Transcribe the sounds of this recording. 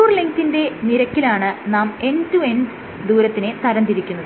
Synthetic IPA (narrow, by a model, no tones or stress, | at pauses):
uːrliŋkinde̞niɾɐkʲːilaːɳɨnaːme̞ntuen | d̪uːɾɐt̪ːine̞t̪ɐɾɐnd̪iɾikʲːunːɐðɨ